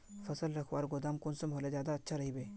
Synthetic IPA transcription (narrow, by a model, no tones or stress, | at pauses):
fɐsəlɾɐkʰwaːɾɡʊd̪aːmkʊnsemɦoːlazjaːd̪aɐtːʃʰaɾɐɦibeː